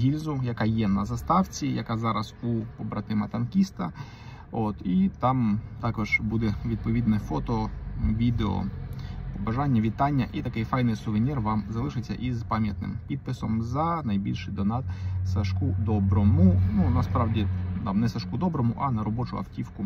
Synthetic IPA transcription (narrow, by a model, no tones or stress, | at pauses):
ɦʲilʲzʊjɐkɑjɛnɐzɐst̪ɑwt͡sʲijɐkɑzɑɾɐzupɔbɾɐt̪ɪmɐt̪ɐnkʲist̪ɐ | ot̪it̪ɑmt̪ɑkɔʒ̥bud̪ɛʋʲid̪̚pɔʋʲid̪nɛfɔt̪ɔʋʲid̪eɔ̰ | bɐʒɑnʲːɐʋʲit̪ɑnʲːɐʔit̪ɐkɪjfɑjnɪjsʊʋɪnʲirʋɑmzɐlˠɪʃɪt͡sʲːɐ̰ʔizpɑmʲjɐt̪̚nɪ̰mpʲid̪̚pɪsɔmzɐnɐjbʲilʲʃɪd̪ɔnɑt̪sɐʃkud̪ɔbɾɔmʊnunɐspɾɑwdʲit̪ɑmnɛsɐʃkud̪ɔbɾɔmʊ̰ʔɐnɐɾɔbɔt͡ʃʊ̰ɐ̰wtʲiwkʊ